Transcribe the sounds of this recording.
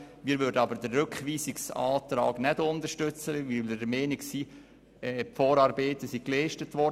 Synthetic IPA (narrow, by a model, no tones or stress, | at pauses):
miːɾʋʏɾdənɑbəɾdəːʏkχʋiːsiksɑ̰ːtɾɑ̰ːɡnɛdʊnd̪əʃtʏt͡səʋlədəmɛːniksiː | ɛːpfɔːɾɑːɾbeːt̪əsiklɛɪʃtətʋɔɾd